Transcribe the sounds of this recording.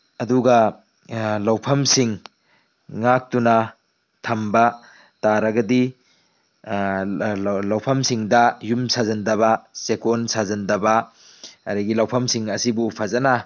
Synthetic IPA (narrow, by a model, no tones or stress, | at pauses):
ɐduɡɐ | lawpʰɐmsiŋː | ak̚tunɐ | tʰɐmbɐ | taɾɐɡɐdi | lɐwpʰɐmsiŋdɐjumsazɐndɐβɐsekonsazɐndɐbɐ | ɐɾɐɡilɐwpʰɐmsiŋɐsibupʰɐzɐna